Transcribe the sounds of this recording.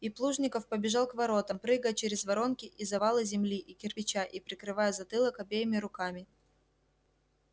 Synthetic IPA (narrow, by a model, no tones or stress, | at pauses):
iplˠuʐnʲɪkəfpəbʲɪʐɑlˠkvɐɾo̞t̪əmpɾɨɡəjət͡ɕeɾʲɪzvɐɾo̞nkʲɪʔizɐvɑlˠɨzʲɪmlʲiʔikʲɪrpʲɪt͡ɕaʔipɾʲɪkɾɨvajəzɐt̪ɨlˠəkɐbʲejɪmʲɪɾʊkamʲɪ